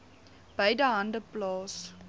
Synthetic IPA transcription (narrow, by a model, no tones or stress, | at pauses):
b̥eɪdəɦãndəplɑːs